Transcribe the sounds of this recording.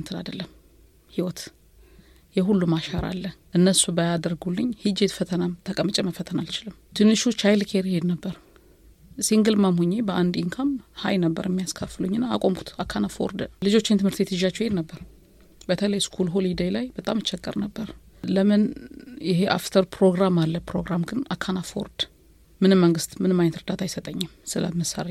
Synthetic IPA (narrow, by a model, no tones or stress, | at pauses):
nt̪ʰɨna̰d̪əlːəm | hiwɔt̪ | jɛɦulːumaʃaɾʔa̰lːəʔɨnːəsubəjad̪əɾɡulːɨɲhɨd͡ʒet̪fət̪ʰənamt̪ʰəkʼəmːɨt͡ʃʼɛməfːət̪ʰənalt͡ʃɪlɨmt̪ʰɨnːɨʃut͡ʃajlkʰeɾhe̞d̪nəbːəɾ | siŋɡɨlmamhuɲːe̞bəʔand̪iŋkʰamhajnəbːə̰ɾɛmːijaskʰəfːɨluɲːɨnːaːkʼomkʰu̥t̪ʰakʰːanafoɔ̰ɾd̪əlɨd͡ʒo̞t͡ʃːɪnt̪ʰɨmhɨɾt̪et̪ʰɨʒat͡ʃːɛhe̞d̪nəbːəɾ | bət̪ʰələjskʰulɦolid̪əjlajbət̪ʼamɨt͡ʃːɛkʼːə̰ɾnəbːəɾ | ləmɨnjɪɦeʔa̰ft̪ʰəɾpʰɾo̞ɡɾamalːəpɾoɡɾamɡɨnakʰːanafo̰ɾd̪̥ | mɨnɨmːəŋɡɨst̪mɨnɨmːaɲːɛt̪ɾəd̪at̪ʰajsət̪ʼəɲːɨmsɨlə̰məsa̰ɾe